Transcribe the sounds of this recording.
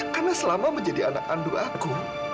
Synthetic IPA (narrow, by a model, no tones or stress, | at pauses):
karnasəlamaməɲd͡ʒadiana̰k̚anduaku